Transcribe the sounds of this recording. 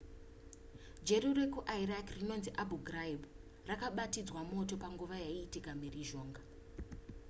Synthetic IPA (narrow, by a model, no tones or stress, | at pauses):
d͡ʒeɾurekuʔairakrino̞nziʔabʱuɡʱraib | rakaɓatid͡zwamo̞to̞paŋɡuʋajaiːtikamiriʒo̞ːŋɡa